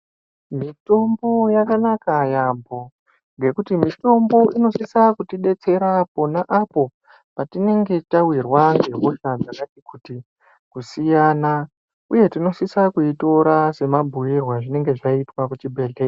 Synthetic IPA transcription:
mito̞mbo̞jakanakajambo̞ | ŋɡe̞kutimito̞mbo̞ʔino̞sisakutiɗe̞t͡se̞ɾapo̞naʔapo̞ | patine̞ŋɡe̞tawirwaŋɡe̞ɦoʃad͡zakatikuti | kusijana | uje̞tino̞sisakuito̞ɾase̞mabʱuirwaʐine̞ŋɡe̞ʐaitwakut͡ʃibʱeɮe

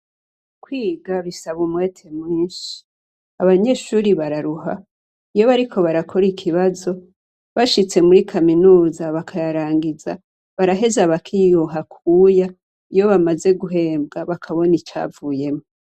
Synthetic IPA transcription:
kwiːɡaβisaβumweːtʰe̞mwiːnʃi̥ | aβaɲe̞ʃuːɾiβaɾaɾuɦa̰ | ijo̞βaɾikʰo̞βaɾakʰo̞ɾikʰiβazo̞ | βaʃit͡se̞muɾikʰaminuːzaβakʰajaɾaːŋɡiza̰ | βaɾaɦe̞zaβakʰijuɦakʰuːja | ijo̞βamaze̞ɡuɦe̞ːmb̚ɡaβakʰaβo̞nit͡ʃa̰ːvuːje̞mo

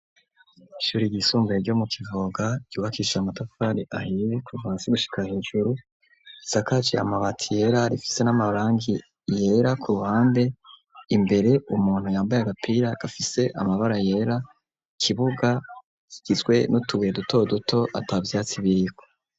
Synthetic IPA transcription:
iʃuɾiɟisuːmbeɾɟo̞mukivoɡaɟ̥uːβakiːʃamatafaɾiʔahiɾikʰuvaːseɡuʃi̥kaheːʒuɾu | isakat͡ʃea̰maβatʰije̞ɾaɾifi̥se̞namaɾaːŋɡi | je̞ɾakʰuɾuhaːmbe̞ | imbe̞ɾe̞ʔumuːn̥hujaːmbajaɡapʰiɾaɡ̥afise̞ʔa̰maβaɾaje̞ːɾa | kʰiβuɡa | kiɡ̥izɡwe̞nutuɡujeduto̞dutʰo̞ʔatabvjaːt͡siβikwo̥

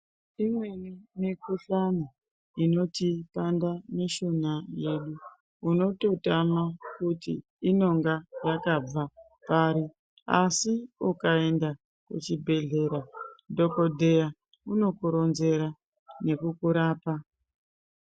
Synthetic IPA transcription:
imwe̞nimikuɬani | ino̞tipandaneʃonaje̞ɗu | uno̞to̞tamakutḭː | no̞ŋɡajakab͡va | paːɾi | a̰siukae̞nda | kut͡ʃibʱe̞ɮe̞ɾado̞ko̞dʱe̞ja | uno̞kuɾo̞nze̞ɾa | ne̞kukuɾaːpa

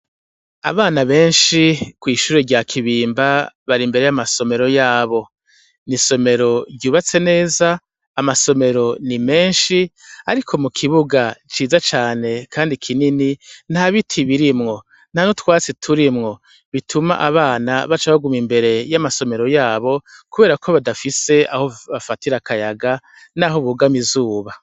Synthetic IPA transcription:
a̰βaːnaβe̞ːnʃikwiːʃuːɾeɾɟakʰiβiːmbaβaɾimbe̞ɾe̞jamaso̞me̞ɾo̞jaːβo̞ | niso̞me̞ɾo̞ɾɟuːβat͡se̞ne̞ːzaː | maso̞me̞ɾo̞nime̞ːnʃia̰ɾikʰo̞mukʰiβuɡat͡ʃiːzat͡ʃaːne̞kʰaːndikʰininin̥haβitʰiβiɾimŋo̞ | n̥hano̞twaːt͡sitʰuɾimŋo̞ | βitʰuma̰ʔaβaːnaβat͡ʃaβaɡumimbe̞ɾe̞jamaso̞me̞ɾo̞jaːβo̞kuβe̞ːɾakoβadafise̞a̰ho̞βafatiɾakajaɡa | naːɦo̞βuɡamizuːβa

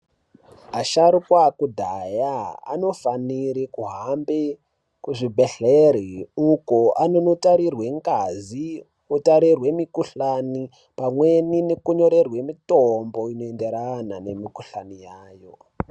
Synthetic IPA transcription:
ɦaʃaɾukwakudʱajaa̰no̞faniɾikuɦambe | kuʐibʱeɬeɾiukoʔanonotaɾirwe̞ŋkazi | otaɾirwe̞mikuɬani | pamwe̞ninekuɲo̞ɾe̞rwemitombo̞inoende̞ɾanane̞mikuɬanijaːjo̞

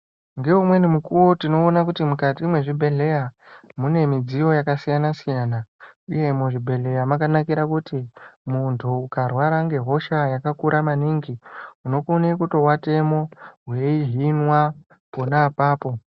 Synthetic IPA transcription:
ŋɡe̞umwe̞nimukuwotino̞ːnakutimukatiːmwe̞ʐibʱe̞ɮe̞ja | mune̞mid͡zijo̞jakasijanasijaːnauje̞muʐibʱe̞ɮe̞jamakanakiɾakutimuntʰuːkarwaɾaŋɡe̞ɦo̞ʃajakakuɾʔamaniŋɡiuno̞kunekuto̞wate̞mo̞ɦweiɦinwa | ponaːpaːpo̞

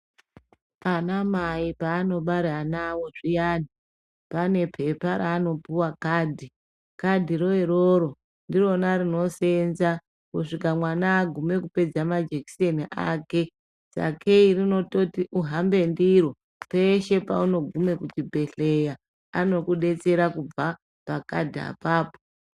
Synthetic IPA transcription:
anamaipaːno̞ɓaɾeanawo̞ʐijaːni | pane̞pʰe̞paɾaːno̞puwakaːdʱi | kadʱiro̞eɾoɾo̞ | ndiro̞naɾino̞se̞nza | kuʂikamwanaːɡʱume̞kupe̞d͡zamad͡ʒeki̥seniʔaːke̞ | sa̰kʰeirino̞to̞tiʔuɦambe̞ndiɾo | pe̞ʃe̞pa̰uno̞ɡʱume̞kut͡ʃibʱe̞ɬe̞ja | ano̞kuɗe̞t͡se̞ɾakub͡va | paka̰dʱia̰paːpo̥

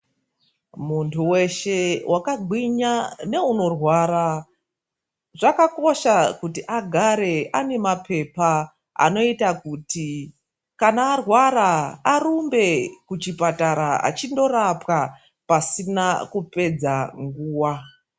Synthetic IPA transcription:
muntʰuwe̞ʃe̞wʔakaɡʱwiɲane̞uno̞rwaːɾa | ʐakako̞ʃakutiʔaɡʱaɾe̞ʔane̞mapʰe̞pa | a̰no̞itakuti | kanaːrwaɾaːɾumbe̞kut͡ʃipataɾaa̰t͡ʃindo̞ɾapka | pasinakupe̞d͡zaŋɡuːwa

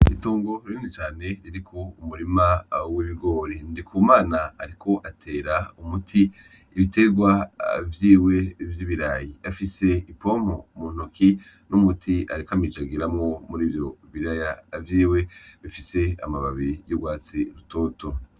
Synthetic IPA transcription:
ituːŋɡo̞ɾiinet͡ʃaːne̞ɾiɾikʰoumuɾimawiβiɡo̞ːɾindikʰuːmaːnaaɾikʰo̞ʔatʰe̞ːɾaumutʰi | iβite̞ɡwa̰vjiːwe̞vjiːβiɾajiafise̞ipo̞m̥omuːn̥okʰi | numutʰia̰ɾikamid͡ʒaɡiɾamŋo̞muɾiːvjo̞βiɾajavjiːwe̞βifise̞a̰maβaβijuɡwaːt͡siɾutoːtʰo

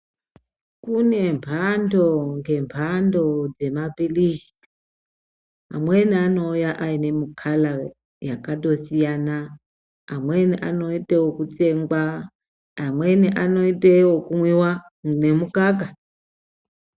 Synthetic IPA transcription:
kune̞mpʰandoŋɡe̞mpʰando̞d͡ze̞mapiliʃi̥ | a̰mwe̞niano̞ujaʔaine̞mukʰala | jakato̞sijanaː | mweniʔano̞itʼewokut͡se̞ŋɡwaː | mwe̞niʔano̞itʼewokumwiwa | ne̞mukaɡa

